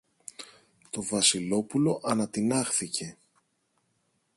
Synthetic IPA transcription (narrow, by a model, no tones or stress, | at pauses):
t̪o̞vɐsilo̞pulo̞ʔɐnɐt̪inɐxθicʰe̞